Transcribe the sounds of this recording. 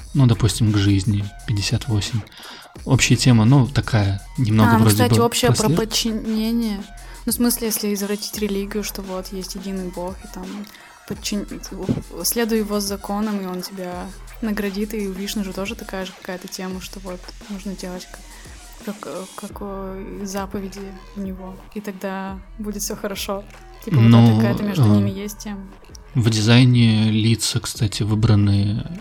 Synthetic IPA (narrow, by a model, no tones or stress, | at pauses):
nud̪ɐpusʲtʲɪmɡʐɨzʲnʲɪpʲɪdʲɪsʲat̪vo̞sʲɪmʲ | opɕɪjətʲe̞mənut̪ɐkajə | nʲɪmnoənvuɾd̪ʲab̪ʲɪo̞pɕːɪjəpɾəpət͡ɕːɪnʲenʲɪjənufsmɨsʲlʲɪjesʲlʲɪɪzəvɾɐtʲi̥tʲɾʲɪlʲiɡʲɪjʊʂt̪o̞vo̞t̪jesʲtʲjɪdʲinɨbo̞xɪt̪am | pət͡ɕːɪnʲ | sʲlʲe̞d̪ʊjjɪvo̞zːɐko̞nəmɪo̞ntʲɪbʲanəɡɾɐdʲit̪ɨʊvʲidʲɪʂnuʐɨt̪o̞ʐɨt̪ɐkajəʐɨkɐ̥kajət̪ətʲe̞məʂt̪o̞vo̞t̪nuʐnədʲe̞lˠətʲk | kɐkkɐkojzapəvʲɪdʲɪ | vnʲɪvo̞ | it̪ɐɡ̚d̪a | budʲɪt̪fʲsʲoxəɾɐʂo̞ | tʲipnoɐkajət̪əmʲeʐd̪ʊnʲimʲɪjesʲt̚ʲtʲemə | vdʲɪzajnʲɪlʲit̪səkst̪atʲɪvɨbɾənɨjə